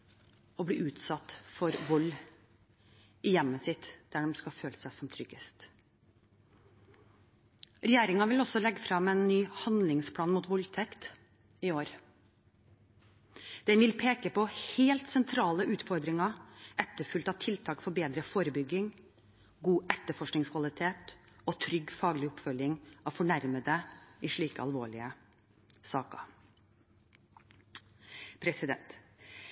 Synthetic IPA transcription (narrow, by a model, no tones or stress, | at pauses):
ɔbɽiːʔʉːt̪sɑt̪ːfɔɾʋɔlː | ɪjɛmːəsɪt̪d̪̥æɖɛmskɑføːləsæɪsɔmt̪ʰɾʏɡ̥əst̪ | ɾɛjeːɾɪŋɑʋɪlɔsɔlɛɡːəfɾɑmɛnːyːhɑnd̪lɪŋspʰɽɑːnmuːt̪ʋɔlt̪ʰɛkt̪ | ɪoːɾ | d̪̥ɛnʋɪlpʰeːkəpɔheːlt̪sɛnt̪ʰɾɑːləʔʉːt̪fɔɾd̪ɾɪŋɑʔɛt̪ːəɾfʉlt̪ɑːʋt̪ʰɪlt̪ʰɑːkfɔɾbeːd̪ɾəfoːɾəbʏɡːɪŋ | ɡuːʔɛt̪ːəfɔʂknɪŋskʰʋɑlɪt̪ʰeːt̪ɔt̪ʰɾʏɡfɑːɡɭɪɔpfœljɪŋɑʋfɔɳæɾməd̪əɪʂɭiːkə̰ɑ̰lʋoːɭɪ̰ə | sɑːkə̰ | pʰɾɛsɪd̪ɛ̰nt̪